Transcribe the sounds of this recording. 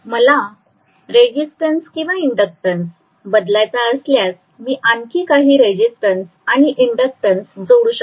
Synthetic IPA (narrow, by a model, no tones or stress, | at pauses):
məla | ɾed͡ʑisʈənskĩw̃ʋaiɳɖək̚ʈəns | bəd̪lajt͡saəsljas | miːʔaŋkʰiːkaɦiːɾed͡ʑisʈəns | aɽ̃iʔiɳɖək̚ʈənsd͡zəuɽuɕək